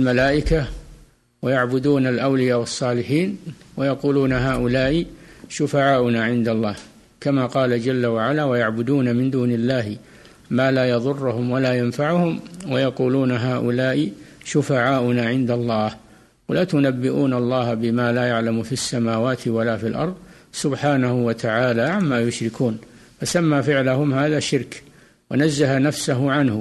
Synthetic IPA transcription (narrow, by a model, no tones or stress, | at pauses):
lmalaːʔɪka | wajaʕbʊd̪uːnalʔawlɪjaːwɑsˤːɑːlɪħiːnwajɑquːluːnaɦaːʔʊlaːʔɪʃʊfaʕaːʔʊnaʕɪnd̪alˤːɑːh | kamaːqɑːlad͡ʒalːawaʕalaːwajaʕbʊd̪uːnamɪnd̪uːnɪlːaːhɪ | maːlaːjɑðˤʊrːʊhʊmwalaːjanfaʕʊhʊmwajɑquːluːnaɦaːʔʊlaːʔɪʃʊfaʕaːʔʊnaʕɪnd̪aɑlˤːɑːh | walaːt̪ʊnabːɪʔuːnɑlˤːɑːhabɪmaːlaːjaʕlamʊfiasːamaːwaːt̪ʰɪwalaːfilʔɑ̰ɾˤðˤ | sʊbħaːnahʊwat̪ʰaʕaːlaːʕamːaːjʊʃɾɪkʰuːnfasamːaːfɪʕlaɦʊmhaːðaːʃɪɾk | wanazːaɦanafsaɦʊʕanhʊ